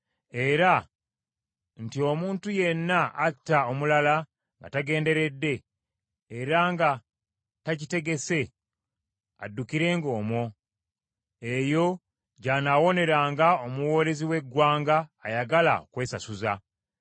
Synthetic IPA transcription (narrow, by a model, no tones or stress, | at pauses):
e̞ɾa | n̩tio̞muːntuje̞nːaːtːaomulala | ŋɡa̰taɡe̞ːnde̞ɾe̞dːe̞ː | ɾaŋɡa | tacite̞ɡe̞se̞ | a̰dːukiɾe̞ːŋɡo̞ːmo̞ | e̞jo̞ | ɟaːnawo̞ne̞ɾaːŋɡaomuwo̞ːɾeziwe̞ɡwaːŋɡaːjaɡala̰okwe̞ːsasuza